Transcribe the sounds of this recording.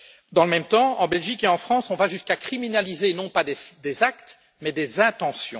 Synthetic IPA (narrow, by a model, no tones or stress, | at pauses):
d̪ɑ̃ləmɛmt̪ɑ̃ɑ̃bɛlʒikeɑ̃fχɑ̃sɔ̃vaʒyskakχiminalizenɔ̃pad̪ed̪ezakt̪ | mɛd̪ezɛ̃t̪ɑ̃sjɔ̰̃